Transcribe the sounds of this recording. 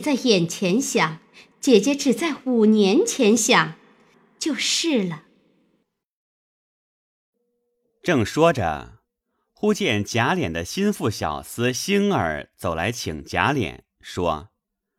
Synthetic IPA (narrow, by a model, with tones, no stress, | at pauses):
t͡sa˥˩ɪjɛ˨˩nt͡ɕʰjɛ˧˥nɕjɑ˨˩˦ŋ | t͡ɕjɛ˨˩t͡ɕjɛ˧˥ʈ͡ʂɻ̩˨˩t͡sa˥˩ɪu˨˩njɛ˧˥nt͡ɕʰjɛ˧˥nɕjɑ˨˩ŋ | t͡ɕjo˥˧ʊʂɻ̩˥˩lə˩ | ʈ͡ʂɤ˥˩ŋʂwɔ˥ʈ͡ʂə̰˧ | xu˥t͡ɕjɛ˥˩nt͡ɕja˧˥ljɛ˨˩nd̪ə˦ɕi˥nfu˥˩ɕjɑ̰˨˩ʊsɹ̩˧˥ɕi˥nə̰˞˨˧˥t͡so˨˩ʊla̰˧˥ɪt͡ɕʰi˨˩ŋt͡ɕja̰˧˥ljɛ̰˨˩˦n | ʂwɔ̰˥